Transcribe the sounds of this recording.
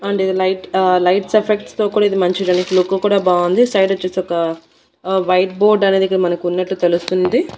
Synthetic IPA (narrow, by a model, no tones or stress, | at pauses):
ɐɳɖid̪ilɐjʈlɐjʈsepʰekʈst̪o̞ːkuːɽaːid̪imɐɲt͡ʃiɾɐɳifluːkːukuːɽaːbaːund̪isɐjɖot͡ʃːeseɔkɐ | ʋɐjʈ̚bo̞ːɾɖɐneːd̪ikːɐmɐnɐkunːɐʈːut̪e̞lust̪und̪i